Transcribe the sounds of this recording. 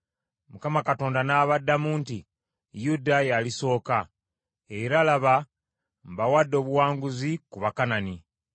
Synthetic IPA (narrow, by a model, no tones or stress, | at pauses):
mukamakato̞ːndanaːβadːamuːnti | judajaliso̞ːka | eiɾalaβa | mbawadːo̞ːβuwaːŋɡuzikuβakanani